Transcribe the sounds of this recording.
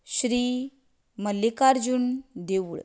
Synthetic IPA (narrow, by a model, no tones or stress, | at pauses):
ɕɾiː | məlikaɾd͡ʑund̪eʋuɭ